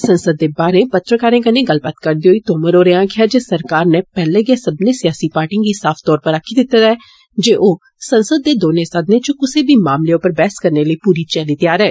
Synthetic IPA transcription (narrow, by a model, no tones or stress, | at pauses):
sə̃nsəd̪̚ːeːbaːɾẽːpət̪ɾəkaːɾẽːkəneɡəlbaːt̪kəɾd̪iːɦoːiːt̪oːməɾoːɾeãːkɪjaːd͡ʒeːsəɾkaːɾnepɛːleːɡesəbnẽːsɪjaːsiːpaːɾʈĩɡiːsaːfʰt̪ɔːɾpəɾəkʰːiːd̪ɪt̪ːət̪ɛː | d͡ʒeːʔoː | sə̃nsəd̪ːeːd̪oːnesəd̪neːt͡ʃʊkʊseːbʱiːmaːmleːʊpəɾbɛːskəɾneləipuːɾiːt͡ʃɛːliːt̪ɪjaːɾɛː